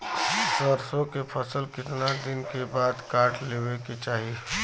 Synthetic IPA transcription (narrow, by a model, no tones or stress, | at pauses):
səɾsõkepʰɐsəlkɪt̪nad̪ɪnkebaːd̪kaːʈʰleːweket͡ʃaːɦi